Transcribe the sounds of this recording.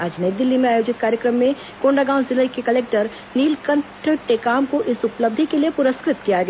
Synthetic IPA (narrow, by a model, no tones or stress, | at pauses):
aːd͡ʒneːd̪ɪlːimẽaːjoːd͡ʒɪt̪̚kaːɾjəkɾəmːẽ | kõːɳɖaɡãːʊ̃zɪləjkekɐleːk̚ʈəɾ | niːlkɐ̃ɳʈʰʈekaːmkoʔɪsʊpləb̚d̪ʱikelijepʊɾəskɾɪt̪kijaɡɐɛ